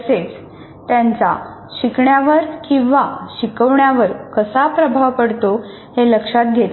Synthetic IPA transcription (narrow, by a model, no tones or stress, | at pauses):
əset͡s | t̪jãnt͡sa̰ | ɕikɳjaʋəɾkĩw̃ʋaɕikəʋɳjaʋəɾkəsapɾəbʱaʋpəɽt̪o | heləkʂat̪̚ɡʱet̪